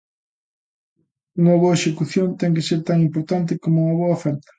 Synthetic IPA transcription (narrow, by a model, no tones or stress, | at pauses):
uŋɐβoaeʃekuθjont̪ɛŋk̬eseɾt̪aŋimpoɾt̪ant̪̬ɪkomʊuŋɐβ̞oaɐofɛɾt̪ɐ̥